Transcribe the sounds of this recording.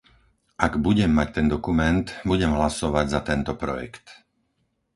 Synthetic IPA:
ʔaɡbuɟɛmːac̚t̪ɛnd̪ɔkumɛnt̪buɟɛmɦlasɔʋaɟzat̪ɛnt̪ɔpɾɔjɛ̰kt̪

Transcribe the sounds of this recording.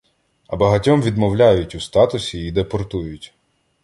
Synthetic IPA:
ɐbɐɦɐtʲɔmʋʲid̪mɔwlʲajʊtʲʊst̪ɑt̪ʊsʲiːd̪epɔrt̪ujʊtʲ

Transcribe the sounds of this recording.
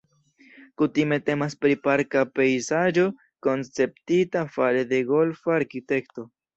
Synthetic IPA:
kutime̞te̞maspɾipaɾkape̞jzad͡ʒo̞ | ko̞nt͡se̞p̚titafale̞de̞ɡo̞lfaːɾkite̞kto̞

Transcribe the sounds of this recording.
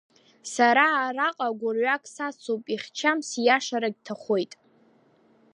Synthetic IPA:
saɾaːɾaqʼaɡʷʊrɥakʰʼsat͡sʰowpʼiχʲt͡ʃʰamsjaʂaɾaɡʲtʰaχʷo̞jtʼ

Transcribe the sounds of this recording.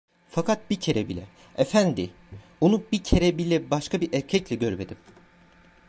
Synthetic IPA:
fakʰat̪̚bicʰe̞ɾɛbilʲɛ̰ | efænd̪i | onubicʰe̞ɾɛbilʲɛbaʃkʰabiɾʔæɾcʰɛclʲɛɟøɾme̞d̪im

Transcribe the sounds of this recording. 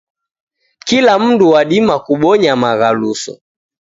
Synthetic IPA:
kilam̩nduwaɗimakuɓɔɲamaɣalusɔ̰

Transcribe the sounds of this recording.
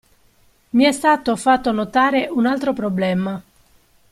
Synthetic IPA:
miɛst̪aːt̪ːofat̪ːonot̪aːɾeʔunalt̪ɾopɾoblɛma

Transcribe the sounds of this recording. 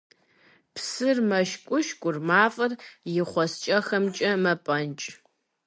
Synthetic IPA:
psɨrmɐʃkʷʼʊʃkʷʼʊrmaːfʼɐrjɪχʷɔst͡ʃʼɐxɐmt͡ʃʼɐmɐpʼɐnt͡ʃʼ

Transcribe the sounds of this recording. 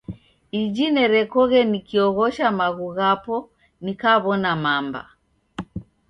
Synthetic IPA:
id͡ʒinɛɾɛkɔɣɛnikiɔɣɔʃamaɣuɣapɔ | nikaβɔnamamba̰

